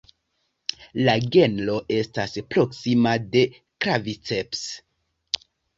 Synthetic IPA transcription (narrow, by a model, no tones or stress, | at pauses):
laɡe̞nlo̞ʔe̞staspɾo̞ksimade̞ | kɾavit͡seps